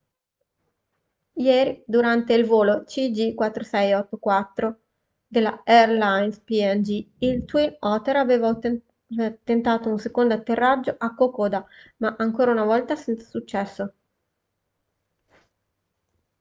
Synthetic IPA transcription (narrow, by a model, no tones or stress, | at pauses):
jɛːɾid̪uɾant̪eilvoːlot͡ʃid͡ʒikwat̪ːɾosɛjɔt̪ːokwat̪ːɾo | d̪elːa̰ɛrlajnspiɛnd͡ʒiilt̪winɔːt̪eɾaveːva | t̪ːent̪aːt̪ounsekond̪oat̪ːerːad͡ʒːoʔakːokoːd̪amaʔaŋkoːɾaunavɔlt̪asɛnt̪sḁsut͡ʃːɛsːo